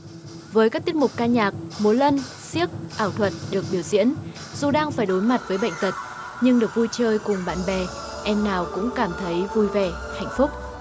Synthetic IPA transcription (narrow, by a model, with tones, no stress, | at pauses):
vəː˨˦jkaː˦˥k̚t̪i˦˥ət̚mʊ˨˩k͡p̚kaː˧ɲaː˨˩k̚mu˨˦lə˧n | si˦˥ək̚ʔaː˧˩wt̪ʰwə˨˩t̚ɗɨ˨˩ək̚ɓi˧˩əwzḭ˧˥ən | zu˨˩ɗaː˧ŋfaː˧˩jɗo˨˦jma˨˩t̚vəː˨˦jɓə̰˧˨jŋ̟t̪ə˨˩t̚ | ɲɨ˧ŋɗɨ˨˩ək̚vu˧jt͡ɕəː˧jkʊ˨˩ŋ͡mɓa̰ː˧˨nɓɛ˨˩ | ʔɛ˧mnaː˨˩wkʊ̰˧˥ŋ͡mkaː˧˩mt̪ʰə˨˦jvu˧jvɛ˧˩ | ha̰˧˨jŋ̟fʊ˦˥k͡p̚